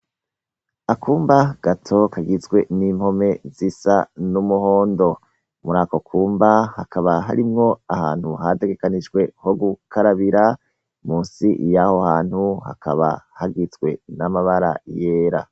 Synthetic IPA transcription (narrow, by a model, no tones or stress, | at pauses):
akʰuːmbaɡ̥atʰo̞kaɡizɡwe̞nimho̞me̞zisanumuho̞ːndo̞ | muɾaːko̞kʰuːmbahakaβaɦa̰ɾimŋo̞aha̰ːn̥huɦate̞ɡe̞kaniʒɡwe̞ho̞ɡukʰaɾaβiɾa | muːnsḭjaho̞haːn̥huha̰kʰaβa̰haɡizɡwe̞̰namaβaɾa̰je̞ːɾa̰